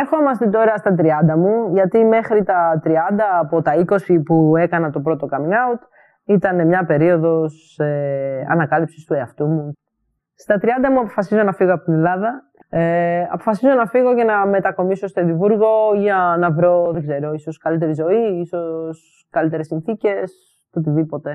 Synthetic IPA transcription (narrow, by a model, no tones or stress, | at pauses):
eɾxoomɐst̪it̪o̞ɾɐst̪ɐt̪̬ɾiɐnd̪ɐmuʝɐt̪ime̞xɾit̪ɐt̪ɾiɐnd̪ɐːpo̞t̪ɐiko̞sipue̞kɐnɐt̪o̞pɾo̞t̪o̞kɐmiŋɐut̪ | it̪ɐne̞mɲɐpe̞ɾio̞ðo̞s | eɐ̰nɐkɐlipsist̪ue̞ɐft̪umu | st̪ɐt̪ɾiɐnd̪ɐmuɐpofɐsizo̞nɐfiɣoɐpot̪ine̞lɐðɐ | eɐpo̞̥fɐsizo̞nɐfiɣo̞ce̞nɐme̞t̪ɐko̞miso̞st̪oðivuɾɣo̞ʝɐnɐvɾo̞ðeɡze̞ɾo̞iso̞skɐlit̪̬e̞ɾizo̞iiso̞s | kɐlit̪e̞ɾesinθice̞s | ot̪iðipo̞t̪e̞